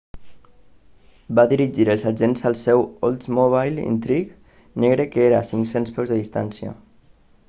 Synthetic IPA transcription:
baðiɾiʒiɾəlˠzaʒenzalˠsɛwolˠt̪moβajlḭnt̪ɾik | nɛɣɾekəeɾasiŋksenspɛwzðəðist̪a̰nsjə̰

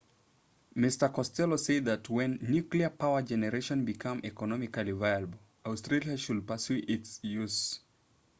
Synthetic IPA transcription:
mɪstə˞kɔstɛloseɪd̪̚ðɨtwɛ̃nːjʉkliə˞pʰaʊə˞d͡ʒɛnəɹeʃə̃nbikʰʌ̃mʔɛkɔnɔmɪkəlivaɪlbl̩ | aʊstɹ̥eliaʃulpə˞sjuʔɪtsjuz

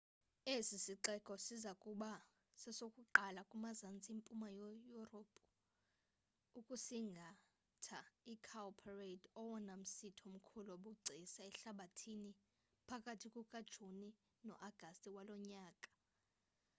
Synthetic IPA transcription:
esisiǃɛkʼɔsizakʼuɓa | sɛsokʼuǃalakʼumazant͡sʼiimpʼumajɔjuropʰʼu̥ | ukʼusiŋɡʱa | tʰaikʰalpʰaredɔwɔnam̩sitʰom̩kʰuloɓuɡ͡ǀʱisaɛɬaɓatʰini | pʰakʼatʰikʼukʼad̥ʒ̥ʱuni | nɔ̰ʔaɡ̥ʱastʼiwalɔɲaːkʼḁ

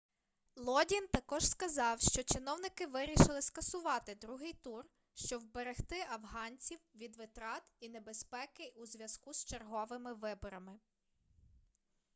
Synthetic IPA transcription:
lˠɔdʲint̪ɐkɔʒ̥skɐzɑwʃt͡ʃɔt͡ʃɪnɔwnɪkɪʋɪɾʲiʃɪlˠɪskɐsʊʋɑt̪ɪd̪ɾuɦɪjt̪ur | ʃt͡ʃɔwbeɾext̪ɪʔɐʋɦɑnʲt͡sʲiwʋʲid̪ʋɪt̪ɾɑt̪inebespɛkɪuzʲʋʲjɐskust͡ʃerɦɔʋɪmɪʋɪbɔɾɐmɪ

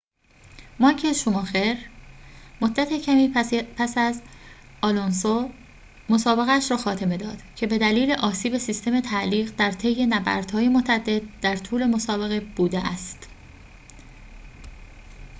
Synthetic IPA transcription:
mɒkʰeʃomɒːxeɾ | mod̪ːæt̪ʰecʰæmiːpʰæsæz | ɒlonso | mosɒːbe̞ɣæʃɾɒːxɒːt̪ʰe̞me̞d̪ɒːd̪̥cʰe̞be̞d̪æliːle̞ʔɒːsiːbe̞sist̪e̞me̞t̪ʰæliːɣɢd̪æɾt̪ʰe̞jːe̞næbæ̰ɾd̪̥hɒːje̞mot̪ʰæd̪ːe̞d̪̚d̪æɾt̪ʰuːle̞mo̞sɒːbe̞ɣe̞b̥uːd̪eʔæst̪

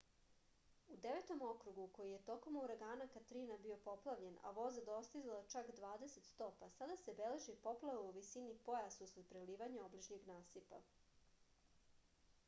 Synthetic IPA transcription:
ud̪eʋet̪o̞mo̞kɾuɡuko̞jije̞t̪o̞ko̞muɾaɡaːnakat̪ɾinabio̞po̞plˠaʋʎe̞na̰ʋo̞zad̪o̞st̪izalat͡ʃakd̪ʋaːd̪eset̪st̪opasad̪ase̞beleʒipo̞plˠaʋuuʋisinipo̞jasusɾud̪pɾeliːʋaɲeoblit͡ʃniɡnaːsipa̰

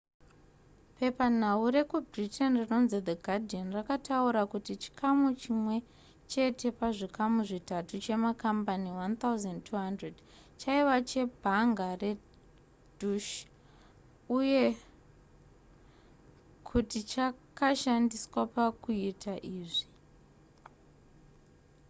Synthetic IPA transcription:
pe̞pan̤auɾe̞kubritʰenrino̞nzed̪eɡʱadʱionrakatauɾakutit͡ʃi̥kʰamut͡ʃimwe̞ | t͡ʃe̞tʰe̞paʐikamuʐitatut͡ʃe̞makambaniwant̪auzandtʰuɦandred | t͡ʃaiʋat͡ʃe̞bʱaŋɡare̞ | duʃ | uje̞ | kʰutit͡ʃakaʃandiswapakuitʰaʔiːʐi

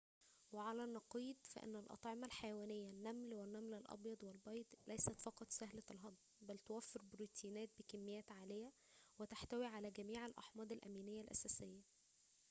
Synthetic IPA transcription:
weʕalænːɑqiːd̪fæ̰ʔḛnːælʔɑ̰t̪ˤʕemɑlħajæwæːnejːænːæmlwenːæmlælʔɑ̰bjɑd̪ˤwelbɑjd̪ˤlʔæjsæt̪fɑqɑt̪ˤsæhlælɦɑd̪ˤ | bælt̪owæfːeɾbɾuːt̪ʰiːnæːt̪̚bekæmːejæːt̪ʕaːlejæ | wet̪aħt̪æwiːʕalæɡæmiːʕelʔɑ̰ħmɑːd̪ˤelʔæ̰miːnejːælʔæ̰sæːsejːæ

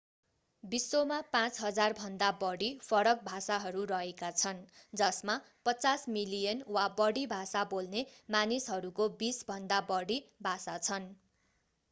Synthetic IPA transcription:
bisːomapãt͡sɦʌd͡zarbʱʌnd̪abʌɽipʰʌɾʌk̚bʱasaɦʌɾurʌɦekat͡sʰʌnd͡zʌsma | pʌt͡sasmilijʌnwabʌɽibʱasabolnemanisɦʌɾukobisbʱʌnd̪abʌɽibʱasat͡sʰʌn

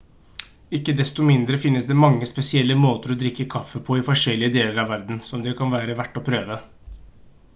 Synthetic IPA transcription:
ɪkːəd̪ɛst̪ɔmɪnd̪ɾəfɪnːəsd̪ɛmɑŋːəspɛsɪɛlːəmoːt̪əɾɔd̪ɾɪkːəkʰɑfːəpʰɔɪfɔʂɛlːɪəd̪eːləɾɑʋæɾd̪n̩sɔmd̪ɛkʰɑnʋæːɾəʋæʈːɔpʰɾøːʋə

